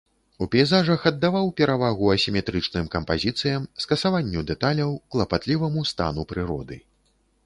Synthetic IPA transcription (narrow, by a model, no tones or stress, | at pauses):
upʲɛjzaʐɐxɐd̪ːavawpʲɛɾavaɣuɐsʲimʲɛt̪ɾɨt͡ʂnɨmkɐmpazʲit̪sɨjɐmskɐsavanʲːud̪ɛt̪alʲɐwklˠɐpat̪lʲivɐmust̪a̰nupɾɨɾɔ̰d̪ɨ̰